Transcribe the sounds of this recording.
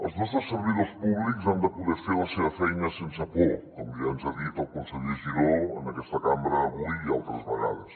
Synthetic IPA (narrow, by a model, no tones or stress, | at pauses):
əlˠznɔst̪ɾəsəɾβiðospuβlikzand̪əpuðɛɾfeɾlɐseβəfɛjnəsensəpokɔmd̪ianzaðit̪əlˠkonsəʎeʒiɾoə̰nɐkɛst̪əkambɾəːβuiialˠt̪ɾəzβɐɣa̰ðəs